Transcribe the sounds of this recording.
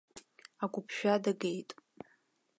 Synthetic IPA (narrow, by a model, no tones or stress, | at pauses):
aɡʷʊpʰʃᶣadaɡe̞jtʼ